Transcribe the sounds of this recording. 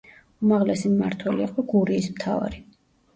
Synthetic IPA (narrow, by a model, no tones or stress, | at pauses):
umaʁlɛsimma̰ɾt̪ʰwɛliːqʼɔɡuɾiːsmt̪ʰa̰va̰ɾi